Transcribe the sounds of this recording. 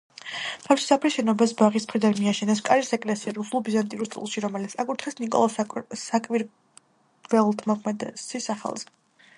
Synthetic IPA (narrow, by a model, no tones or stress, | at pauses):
ɾafʃi̥sapʰɾiʃɛnɔbas̬baʁismχɾid̪anmiaʃɛnɛs̬kʼaɾisɛkʼlɛsiɛɾusulˠbizant̪ʼiɾust̪ʼḭlˠʃiɾɔmɛlit̪sʰakʼut̪ʰχɛsnikʼɔ̰lˠsakʼwiɾ | vɛlˠt̪ʰmɔkʰmɛd̪ɛsisaχa̰lˠz̥ɛ